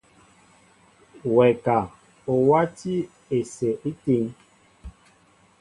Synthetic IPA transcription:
wɛ˨ka˨ | o˨wa˦ti˦ | e˨se˨ʔi˦ti˦ŋ

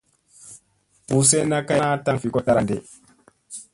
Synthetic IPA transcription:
ʔu˨s̬ɛ˦na˦ka˦a˦ta˦nfi˨kɔ˦ta˦ɾa˨ndɛ˨

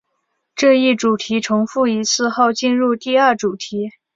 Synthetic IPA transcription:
ʈ͡ʂɤ˥˧i˥˩ʈ͡ʂu˨˩t̪ʰi˧˥ʈ͡ʂʰʊ˧˥ŋfu˥˩i˧˥t͡sʰɹ̩˥˧xo˥˧ʊt͡ɕi˥˧nɻu˥˧t̪i˥˧ɐ˞˥˩ʈ͡ʂu˨˩t̪ʰi˧˥

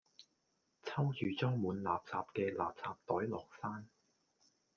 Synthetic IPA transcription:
t͡sʰɐ˥wjyː˨˩t͡sɔː˥ŋmuː˨˧nla̰ː˨p̚t͡saː˨p̚kɛː˧lʔa̰ː˨p̚t͡saː˨p̚t̪ɔː˨˥jlɔ̰ː˨k̚saː˥n

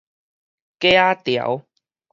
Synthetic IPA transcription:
ke˥˦a˦t̪jə̰˨˦w

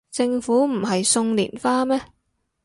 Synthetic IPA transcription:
t͡sɪ˧ŋfuː˨˥m̩˨˩ɦɐ˨jsʊ˧ŋlḭː˨˩nfaː˥mɛː˥

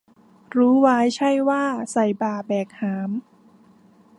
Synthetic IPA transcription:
ɾuː˦˥waː˦˥jt͡ɕʰa˥˩jwaː˥˩sa˨˩jbaː˨˩bɛː˨˩k̚haː˩˦m

